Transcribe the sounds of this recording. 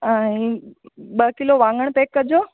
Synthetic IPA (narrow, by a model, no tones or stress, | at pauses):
ãĩ | ɓəkɪloʋãːŋɡəɽ̃peːkːɐd͡ʑoː